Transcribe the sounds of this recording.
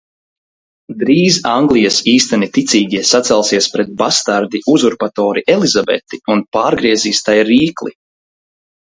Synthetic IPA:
d̪ɾiːzaŋɡlˠijasiːst̪anit̪it̪sʲiːɡʲiɛsat̪sɛlˠsiɛspɾɛt̪̚bast̪aɾd̪iʔuzuɾpat̪ɔːɾiʔɛlizabɛ̰t̪iunpaːɾɡɾiɛziːst̪ajɾiːklˠḭ

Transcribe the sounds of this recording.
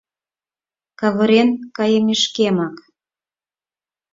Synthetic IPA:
kɑβɤ̆ɾenkɑjemeʃkemɑk

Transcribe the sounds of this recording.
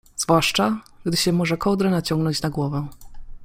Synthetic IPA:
z̥vwaʂt͡ʂaɡd̪ɘɕɛmɔʐɛkɔwd̪ɾɛnat͡ɕɔŋɡnɔɲt͡ɕnaɡwɔvɛ

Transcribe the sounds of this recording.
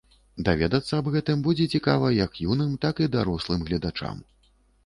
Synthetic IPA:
d̪avʲɛd̪ɐt̪sːɐːbɣɛt̪ɨmbud͡zʲɛt͡sʲikavɐjɐkjunɨmt̪akid̪aɾɔslˠɨmɣlʲɐd̪at͡ʂa̰m

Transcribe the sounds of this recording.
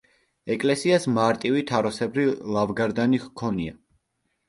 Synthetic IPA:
ɛkʼlɛsiasmaɾt̪ʼivit̪ʰaɾɔsɛbɾilˠavɡaɾd̪aniχkʰɔnia

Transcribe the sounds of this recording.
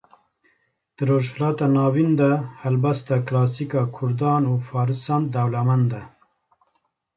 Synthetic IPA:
d̪̥ɨɾoːʒhlɑːt̪ɑnɑːvind̪ahɐlbast̪aklɑːsikɑːkʰʊɾd̪ɑːnufɑːɾɨsɑːnd̪awlamand̪ɐ

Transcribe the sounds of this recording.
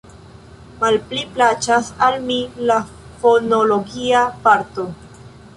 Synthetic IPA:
malpliplat͡ʃasalmila | fonolo̞ɡiapaɾto

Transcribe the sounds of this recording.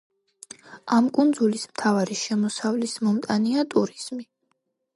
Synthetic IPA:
amkʼund̪zulismt̪ʰavaɾiʃɛmɔsavlismɔmt̪ʼaniat̪ʼuɾiz̥mi

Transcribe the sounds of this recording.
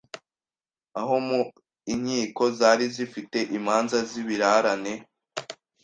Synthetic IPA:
aɦo̞mu | iɲhiːko̞zaːɾizifite̞ʔimaːnzaziβiɾaɾane̞

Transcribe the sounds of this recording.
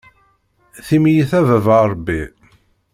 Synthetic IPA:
θimjiθævævəɾˤbːi

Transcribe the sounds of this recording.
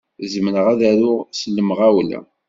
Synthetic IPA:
zəmnəʁæðæɾʊʁsəlːəmʁawlæ̰

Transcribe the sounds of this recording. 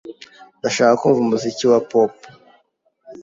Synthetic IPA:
ndaʃaːkakuːɱvumuziciwapop

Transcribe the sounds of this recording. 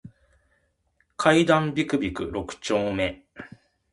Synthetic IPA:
kʰaid̪ãmbʲikɯ̟bʲikɯ̟ɾo̞kɯ̟̥t͡ɕo̞ːme̞

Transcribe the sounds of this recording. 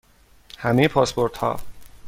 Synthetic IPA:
hæmejepʰɒːspoɾt̪hɒ̰ː

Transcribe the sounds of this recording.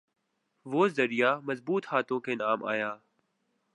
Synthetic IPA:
ʋoːzəɾijaːməzbuːt̪haːt̪õːkʰeːnaːma̰ːjaː

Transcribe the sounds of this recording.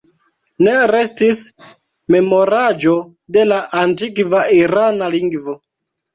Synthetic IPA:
ne̞ɾe̞stis | me̞mo̞ɾad͡ʒo̞ | de̞laʔantikvaiɾanaliŋɡvo̞

